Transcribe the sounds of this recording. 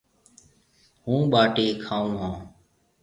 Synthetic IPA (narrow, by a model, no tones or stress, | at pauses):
ɦũːɓaːʈeːkʰaːũːɦãː